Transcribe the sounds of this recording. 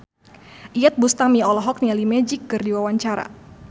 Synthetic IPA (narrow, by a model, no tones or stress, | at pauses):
ʔijat̪̚bust̪amiɔlɔɦɔk̚nialimɛd͡ʒɪkːɨrdiwawaɲt͡ʃaɾa̰